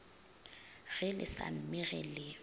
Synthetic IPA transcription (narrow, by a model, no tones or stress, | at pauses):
ɣɪlɪ̰sa̰m̩mɪɣɛlɪ